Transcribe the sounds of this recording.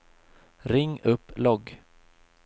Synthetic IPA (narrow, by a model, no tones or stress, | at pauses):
ɾɪŋːɵpːlɔɡ